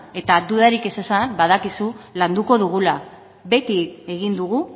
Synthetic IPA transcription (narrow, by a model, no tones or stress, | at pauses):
e̞t̪ad̪uðaɾike̞sesanbaðakisuland̪uko̞ðuɣ̞ula | βe̞t̪ie̞ɣind̪uɣu